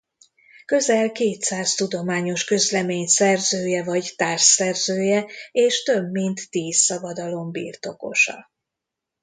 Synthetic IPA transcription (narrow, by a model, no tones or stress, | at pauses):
kø̞zɛlkeːt̪saːst̪ud̪o̞maːɲo̞ʃkø̞zlɛmeːɲsɛrzøːjɛvɒɟt̪aːrʃɛrzøːjɛeːʃt̪ø̞bmint̪ːiːsːɒbɒd̪ɒlo̞mbḭːrt̪o̞ko̞̰ʃɒ̰